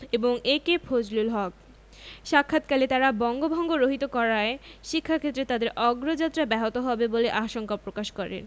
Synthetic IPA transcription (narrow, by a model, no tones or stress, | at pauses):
eboŋekepʰod͡ʑlulɦɔk̚ | ʃakʰːat̪kalet̪aɾabɔŋɡobʱɔŋɡoɾoɦit̪okɔɾaeʃikʰːakʰet̪ːɾet̪ad̪eɾʔɔɡɾod͡ʑat̪ːɾabɛɦot̪oɦɔbeboleʔaʃoŋkapɾokaʃkɔɾḛn